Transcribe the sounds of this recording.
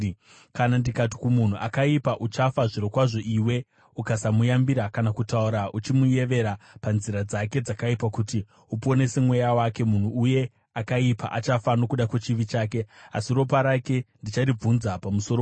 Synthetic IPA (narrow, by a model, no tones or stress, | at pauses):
kanandikati̥kumun̤uʔakaipaʔut͡ʃafaʐiɾokwaʐo̞ʔiːwe̞ | ukasamujambiɾakanakutauɾaʔut͡ʃimuje̞ʋe̞ɾapanziɾad͡zake̞d͡zakaipakuti | upo̞ne̞se̞mwe̞jawake̞mun̤uːje̞ | akaipa̰ʔat͡ʃafano̞kuɗakwet͡ʃiʋit͡ʃaːke̞a̰siɾo̞p̬aɾake̞ndit͡ʃarib͡vunzapamuso̞ɾo